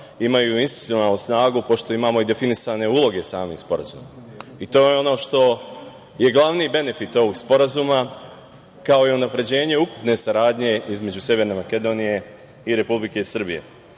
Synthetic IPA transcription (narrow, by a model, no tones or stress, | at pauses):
imajuinsit̪uio̞naːlˠnusnaːɡupo̞ʃt̪o̞imaːmo̞id̪e̞finisaːne̞uːlˠo̞ɡe̞saːmḭspo̞ɾa̰zṵːma | it̪o̞ːjeo̞no̞ʃt̪o̞ | je̞ɡlˠaʋniːbe̞ne̞fit̪o̞ʋo̞ɡspo̞ɾazuːma | kao̞iunapɾe̞d͡ʑe̞ːɲe̞uku̥pne̞saɾaːd̪ɲe̞izme̞d͡ʑusje̞ʋe̞ɾne̞make̞d̪o̞ːnije̞ | iɾe̞publike̞isr̩bije̞̰